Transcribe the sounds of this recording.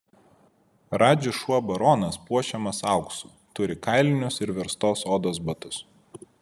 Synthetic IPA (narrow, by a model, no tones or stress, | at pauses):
ɾɑːd͡ʒʲɪʃuɔbɐɾoːnɐspuɔʃʲɛmɐsɑˑʊksuːˑ | t̪ʊɾʲɪkɑɪlʲɪnʲʊsɪɾʋʲɛɾst̪oːsoːd̪oːs̬bɐt̪ʊs